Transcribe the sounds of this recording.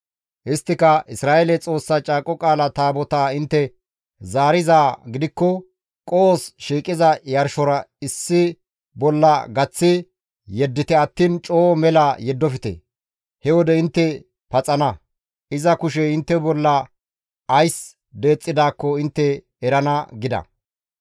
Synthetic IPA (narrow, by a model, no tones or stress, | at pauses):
hɪst̪ːɪkɐʔɪsɾaːʔelɛt͡sʼo̞ːsːat͡ʃʼaːkʼɔkʼaːlɐt̪aːbɔt̪aːɪnt̪ːɛ | zaːɾɪzaːɡɪd̪ɪkːɔ | kʼoːsʃiːkʼɪzɐjɐɾʃɔɾɐɪsːɪ | bɔlːɐɡɐt͡sːɪ | jɛd̪ːɪt̪ɛɐt̪ːiːnt͡ʃʼoːmɛlajɛd̪ːɔfɪt̪ḛ | hɛwɔd̪ɛɪnt̪ːɛ | pɐt͡sʼɐnɐ | ɪzɐkʊʃɛɪnt̪ːɛbɔlːɐː | js | d̪e̞ːt͡sʼːɪd̪aːkːɔɪnt̪ːɛː | ɾɐnɐɡɪd̪ɐ̰